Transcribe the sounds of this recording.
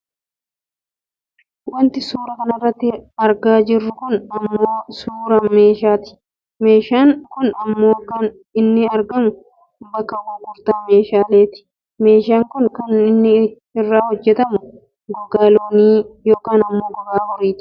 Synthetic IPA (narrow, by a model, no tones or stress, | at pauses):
wɐnt̪ɪsuːɾɐkɐnɐrːɐt̪ːɪɐɾɡaːd͡ʒɪrːʊkʊnɐmːo̞ːsuːɾɐme̞ːʃaːt̪ɪ̥ | me̞ːʃaːŋkʊnɐmːo̞ːkɐn | ɪnːɪɐɾɡɐmʊ | bɐkːɐwɔɡʊɾt̪aːmeːʃaːleːt̪ɪ̥ | me̞ːʃaːŋkʊnkɐnɪnːɪ | ɪrːaːhɔd͡ʒːɛt̪ɐmʊ | ɡɔɡaːloːniːjoːkaːnɐmːoːɡɔɡaːbɔɾiːt̪ʊ̥